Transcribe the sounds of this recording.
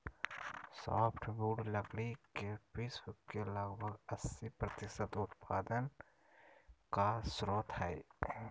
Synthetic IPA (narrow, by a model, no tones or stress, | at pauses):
sɔ̰ːpʰʈʰbuːɖləkɽikepeːsbʊkːeləɡbʱəɡəsːipɾət̪ɪʃət̪ʊt̪̚pʰaːd̪ən | kasɾoːt̪ʰae